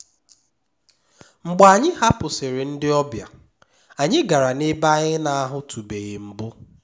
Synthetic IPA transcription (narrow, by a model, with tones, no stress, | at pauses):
ŋ͡m̩˨ɡ͡ba˨a˨ɲɪ˦ha˦pʊ˨sɪ˨ɾɪ˨n̩˦dɪ˦ɔ˦bja̰˨ | a˨ɲɪ˦ɡa˨ɾa˨nɪ˦ba˦ɲɪ˦na˦˨a˦ɦʊ˦tʰu˨be˨ɣɪ˨m̩˨bʊ˦